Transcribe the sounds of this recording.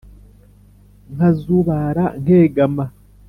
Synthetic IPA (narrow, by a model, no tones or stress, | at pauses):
ŋ̥azuβaɾaŋheːɡama